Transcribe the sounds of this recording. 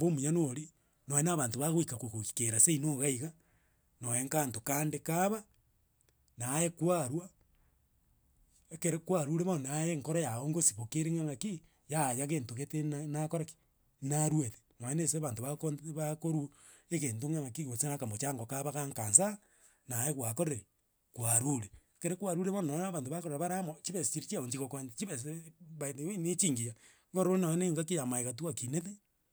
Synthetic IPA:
bomuɲanoɾi | nojenaβaːntoβaɣoikakukokikeɾaseinoɣaiɣa | nojeŋkantokaːndekaβa | najekwaɾwa | ekeɾekwaɾuɾeβanajeŋkoɾajaoŋɡosi̥βokeɾeŋaŋaki | jajaɣeːntoɣetennakoɾaki̥ | naɾwete̥maeneseβantoβakoβakoɾu | ekeːntoŋaŋakiɣosenakamot͡ʃaŋɡokaβakaŋkansa | najekwakoɾeɾe | kwaɾuɾe | keɾekwaɾuɾeβonaaβaːntoβakoɾoɾaβaɾamot͡ʃiβest͡ʃiɾit͡ʃiaoɲt͡ʃikokwat͡ʃiβesβaitewenet͡ʃiŋɡija | ŋɡoɾonajeneŋɡakijamaeɣat̬uwakineðe

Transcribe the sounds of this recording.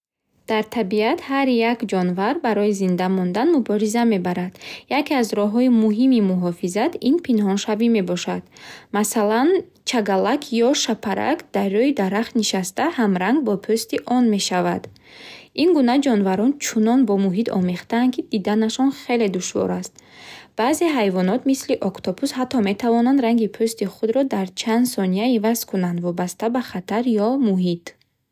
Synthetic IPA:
d̪̥aɾt̪ʰabiat̪haɾjakd͡ʒɔnvaɾbaɾɔjizind̪amɔnd̪anmubɔɾizame̞baɾad̪jakeazɾɔɦɔimuɦimimuɦɔfizat̪inpʰinɦɔnʃavime̞bɔʃad̪̥masalan | t͡ʃʰaɡalakʰjɔʃapʰaɾa̰kd̪̥arːɔid̪aɾaχt̪niʃast̪ahamɾaŋɡ̚bɔpʰøst̪iʔɔnme̞ʃavad̪ | inɡunad͡ʒɔnvaɾɔnt͡ʃʰunɔnbɔmuɦit̪ʰɔ̰meχt̪aːnkʰid̪id̪anaʃɔnχe̞le̞d̪uʃvɔ̰ɾast̪̚b̥aːze̞ɦajvɔnɔt̪misliʔɔkt̪ʰɔbushat̪ʰːɔme̞t̪ʰavɔnand̪ɾaŋɡipʰøst̪iχud̪ɾɔd̪aɾt͡ʃʰand̪sɔnijaivaz̥kʰunand̪vɔbast̪abaχat̪ʰaɾjɔmuɦit̪

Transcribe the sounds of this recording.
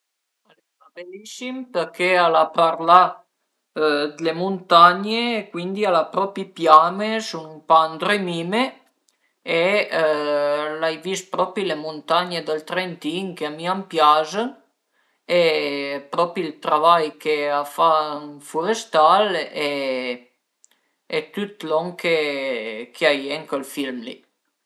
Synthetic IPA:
ale | abelːisimpeɾkʰealapaɾla | d̪lemunt̪aɲekwind̪ialapɾɔpipjamesunumpaːnd̪ɾemiːme | e | lajvis̚pɾɔpɾilemunt̪aɲed̪əlt̪ɾent̪iŋkeamiampjazən | epɾɔpɾilt̪ɾavajkeafanfuɾest̪ale | et̪ut̪lɔŋke | kʰeajeŋkəlfilmlḭ

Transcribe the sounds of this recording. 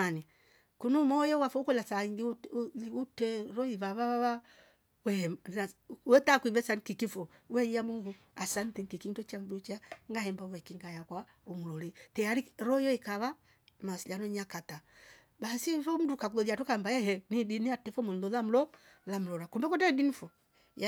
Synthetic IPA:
ani | kunumɔjɔwafɔukɔlasaiŋɡiutɛɾɔiβaβaβaβa | wɛhɛmawɛtakwivɛsankikifɔ | wɛiamuɡu | asantɛŋkikindɔt͡ʃamdut͡ʃaŋɡahɛmbawɛkiŋɡajakwa | umulɔlitɛaɾiɾɔjɔikaβa | masilanɔɲakata | basifɔm̩dukakulɔðiatukambajɛhɛnidiniatɛfɔmunlɔlam̩lɔ | lam̩lɔɾakumbɛkɔtɛdinifɔ | j

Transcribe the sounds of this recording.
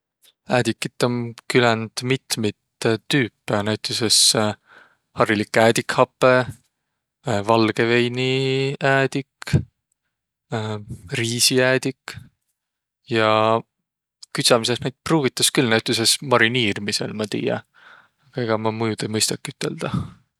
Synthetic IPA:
æːd̪̥ikːit̪ˑːomkylend̪̥mit̪mit̪t̪ːyːpːˑenæɥt̪ːˑeses | hɑrilikːˑæːd̪ikhɑpːˑe̞ | vɑlɡ̥e̞vejniæːd̪̥ik | riːsiæːd̪̥ik | jɑ | kyt̪sɑmise̞snæjd̪̥̚pruːv̥it̪ːˑɑskylnæwt̪ˑːese̞smɑɾiniːɾmise̞̰lmɑt̪ḭːjɑ̰ | ɑɡ̥ɑe̞ɡ̥ɑmɑmujud̪̥ejmɤjst̪ɑkːˑyt̪ːˑe̞ld̪̥ɑ

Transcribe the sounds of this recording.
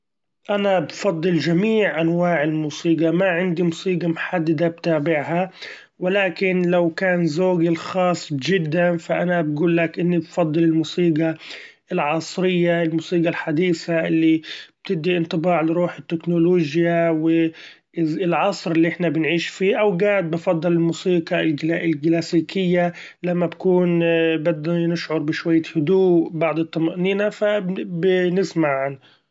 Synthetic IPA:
ʔanabfɑd̪ˤːɨld͡ʒamiːʕʔanwaːʕɪlmuːsiːɡɑmaʕɪnd̪imusiːɡɑmʊħad̪ːad̪ab̚t̪aːbɪʕɦa | wɪlaːkɪnlawkaːnzoːɡɪlxɑːsˤːd͡ʒɪd̪ːanfaʔanabɡuːlːakʔɪnːibfɑd̪ˤːɨlɪlmuːsiːɡɑ | ɪlʕɑsˤɾɪjːaɪlmuːsˤiːɡɑlħad̪iːsaʔɪlːib̥̚t̪ɪb̚d̪iʔɪnt̪ˤɨbɑːʕlɪɾuːħɪt̪ːɪknʊloːʒjawɪ | ɪlʕɑsˤɾɪlːiʔɪħnabɪnʕiːʃfiːʔawɡaːʕd̪̚bɑfɑd̪ˤːɑlɪlmuːsiːɡɑlɡɪlɡlaːsiːkʰɪjːa | lamːabakuːnbad̪anɪʃʕʊɾˤbɪʃwajːahʊd̪uːbɑʕd̪ˤɨt̪ˤːɑmaʔniːnafabnɪsmaʕʕan

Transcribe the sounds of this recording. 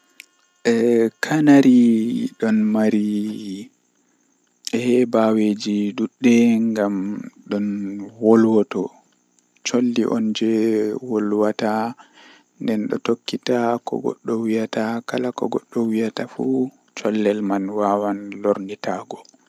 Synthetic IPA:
ʔɛkʰanaɾiɗɔnmaɾi | ɛhɛbawed͡ʒiɗuɗːɛŋɡamɗɔnwolwɔtɔ | t͡ʃolːiʔɔnd͡ʒɛwolwata | ndɛnɗɔ̰tokːitakɔ̰ɡɔ̰ɗːɔwijatakalakɔ̰ɡɔɗːɔwijatafu | t͡ʃɔlːɛlmanwawanloɾnitaɡɔ

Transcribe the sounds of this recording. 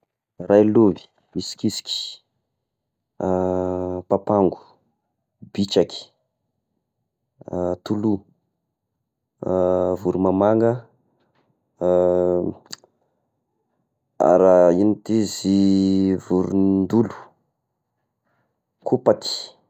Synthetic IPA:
rajluvi̥ | isi̥kʲisi̥kʲi̥ | papaŋɡu̥ | b̥it͡ʃaki̥ | t̪ulu | vuɾumamaŋɡə | a̰ɾainit̪izivuɾund̪ulu̥ | kʰupat̪i̥

